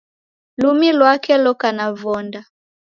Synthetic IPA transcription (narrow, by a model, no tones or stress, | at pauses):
lumilwakɛlɔkanavɔnda